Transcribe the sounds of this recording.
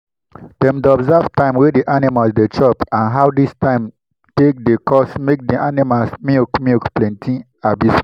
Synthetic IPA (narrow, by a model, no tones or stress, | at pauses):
dɛ̃mteɔbzav̥tãɪ̃mwediʔanimalsdet͡ʃɔpãnɦawdistãɪ̃m | tek̚dekʰɔsmek̚diʔanimalsmikmikplɛ̃ntʰĩn | abjusfɔ